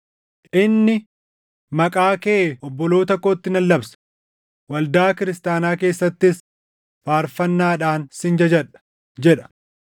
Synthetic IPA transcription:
ʔɪnːɪ | mɐkʼaːkeːɔbːɔloːt̪ɐkːo̞ːt̪ːɪnɐlːɐbsɐ̥ | wɐld̪aːkɪɾɪst̪aːnaːke̞ːsːɐt̪ːɪs | faːɾfɐnːaːᶑaːnsɪnd͡ʒɐd͡ʒɐᶑɐ̥ | d͡ʒɛᶑɐ̥

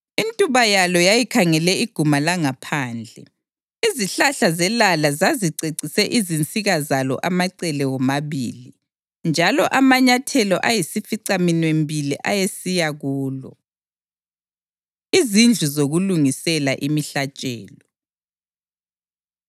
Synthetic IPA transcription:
intʼuβajalɔjajikʰaŋɛlɛiɡ̥ʱumalaŋapʰaːnd͡ɮʱɛ̰ | iziɬaɬazɛlalazaziǀeǀisɛʔizint͡sʼiɣazalɔ̰ʔamaǀɛlɛwɔmaβḭːli | nd͡ʒʱalɔʔamaɲatʰɛlɔʔajisifiǀaminwembʱiliʔajesijaɣuːlɔ̰ | izind͡ɮʱuzoɣuluŋisɛlaʔimiɬat͡ʃʼɛ̰ːlɔ

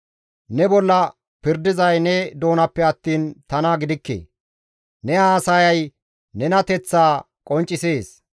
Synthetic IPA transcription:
nɛbɔlːɐ | pɪɾd̪ɪzɐjnɛd̪o̞ːnɐpːɛɐt̪ːiːnt̪ɐnɐɡɪd̪ɪkːḛː | nɛaːsɐjɐj | nɛnɐt̪ɛt͡sːaː | kʼɔnt͡ʃʼːɪse̞ːs

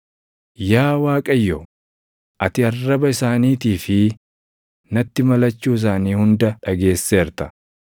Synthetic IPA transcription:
jaːwaːkʼɐjːɔ | ʔɐt̪ɪɐrːɐbɐɪsaːniːt̪iːfɪ | nɐt̪ːɪmɐlɐt͡ʃːuːɪs̬aːniːhʊnd̪ɐᶑɐɡe̞ːsːeːɾt̪ɐ̥

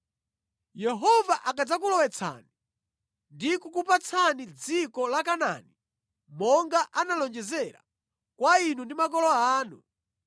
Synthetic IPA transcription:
jɛɦɔvaʔakad͡zak̬ulɔwɛt͡sʰa̰ni | ndikukupat͡sʰanid͡zikɔlakana̰ni | mɔŋɡaʔanalɔnd͡ʒɛzɛɾa̰ | kwainundimakɔlɔaːnu

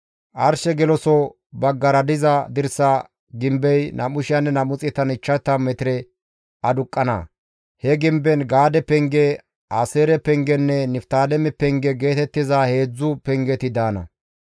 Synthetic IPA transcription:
ʔɐɾʃɛɡɛlɔsɔ | bɐɡːɐɾɐd̪ɪzɐd̪ɪɾsa | ɡɪmbɛjnʔɐmʊʃɪjɐnːɛnɐmʊt͡sʼɪt̪ːɐnɪt͡ʃːɐt̪ːɐmɛt̪ɪɾɛ | ɐd̪ʊkʼːɐnɐ̰ | hɛɡɪmbɛnɡaːd̪ɛpɛŋɡɛ | aseːɾɛpɛŋɡɛnːɛnɪft̪aːlɛmɛpɛŋɡɛɡe̞ːt̪ɛt̪ːɪzahe̞ːd͡zːʊpɛŋɡɛt̪ɪd̪aːnɐ̰

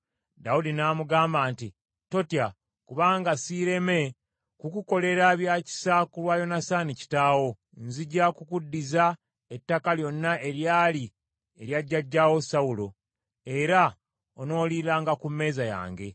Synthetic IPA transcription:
daudinaːmuɡaːmbaːnti | to̞tia | kuβaːŋɡasiːɾe̞me̞ | kukuko̞le̞ɾaβjaci̥sakulwajo̞nasanici̥taːwo̞ | nziɟakukudːiza | etːakaljo̞nːaʔe̞ɾjaːli | eɾjaɟːaɟːawo̞sawulo̞ | e̞ɾa | ono̞ːlilaːŋɡakumːe̞ːzaja̰ːŋɡe̞̰

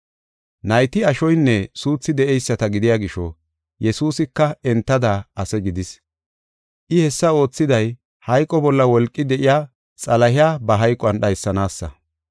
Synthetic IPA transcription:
nɐjt̪ɪɐʃɔjnːɛsuːt͡sːɪd̪ɛʔɛjsːɐt̪ɐɡɪd̪ɪjaɡɪʃɔ̰ | jɛsuːsɪkːɐɛnt̪ːɐd̪aɐsɛɡɪd̪ɪs | ʔɪhɛsːɐo̞ːt͡sːɪd̪ɐj | hɐjkʼːɔbɔlːɐwɔlkʼːɪd̪ɛʔɪjaː | t͡sʼɐlɐɦɪjaːbɐɦɐjkʼɔɐnɗɐjsːɐnaːsːɐ̰

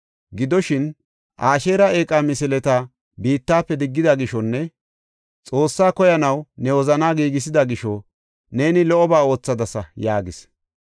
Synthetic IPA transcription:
ɡɪd̪ɔʃɪn | ʔaːʃe̞ːɾɐe̞ːkʼamɪsɪlɛt̪a | biːt̪ːaːpːɛd̪ɪɡːɪd̪ɐɡɪʃɔnːɛ | t͡sʼo̞ːsːaːkɔjɐnɐwnɛwɔzɐnaːɡiːɡɪsɪd̪ɐɡɪʃɔ | ne̞ːnɪlɔʔɔbaːo̞ːt͡sːɐd̪ɐsɐjaːɡɪs

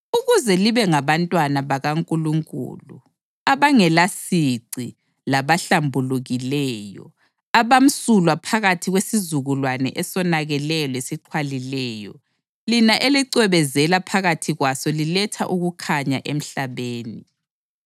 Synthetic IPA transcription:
uɣuzɛliβɛŋaβantʼwanaβaɣaŋkʼuluŋkʼṵːlṵ | aβaŋɛlasiǀi | laβaɬambʱuluɣilɛːjɔ̰ | aβam̩sulwapʰaɣatʰiɣwesizuɣulwanɛ̰ʔɛsɔnaɣɛlɛlwesiǃʰwalilɛːjɔ̰ | linaʔeliǀɛβɛzɛlapʰaɣatʰiɣwasɔlilɛtʰa̰ʔuɣukʰaɲa̰ʔem̩ɬaβeːni

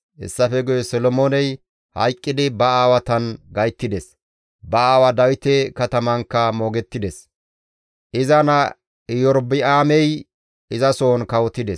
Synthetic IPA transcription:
hɛ̰sːɐfɛɡʊjɛsɔlɔmoːnɛj | hɐ̰jkʼːɪd̪ɪbɐaːwɐt̪ɐnɡɐjt̪ːɪd̪ɛs | bɐaːwɐd̪ɐwɪt̪ɛkɐt̪ɐmɐŋkːɐmoːɡɛt̪ːɪd̪ɛs | ʔɪzɐnɐ | ɪjɔɾbɪaːmɛj | ɪzɐsoːnkɐwɔt̪ːɪd̪ɛs

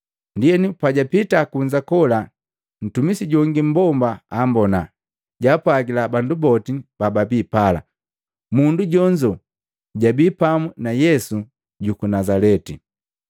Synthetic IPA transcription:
ndiɛnipaɟapitakuɲd͡ʒakɔla | n̩tumisiɟɔŋɡim̩bɔmbaambɔna | ɟapwaɡilabandubɔtib̥ababipala̰ | munduɟɔɲd͡ʒɔ | ɟabiːpamunajɛsu | ɟukunazalɛti

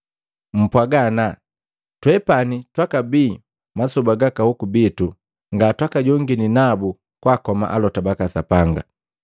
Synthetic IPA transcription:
m̩pwaɡana | twɛpanitwakabiː | masubaɡakahukubitu | ŋɡatwakaɟɔŋɡininabu | kwakɔma̰ʔalɔtabakasapaŋɡa̰

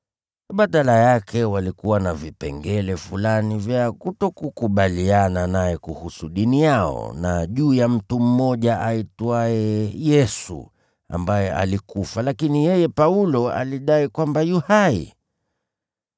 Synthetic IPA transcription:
ɓaɗalajakʰɛwalikuwanavipɛ̰ŋɡɛlɛfulanivjakutɔkukuɓaliananajɛkuhusuɗinijaɔ̰naʄuːjam̩tum̩mɔʄaʔaitwaɛjɛsṵ | a̰mbajɛʔa̰likufalakinijɛjɛpaulɔa̰liɗaikwambajuhaḭ

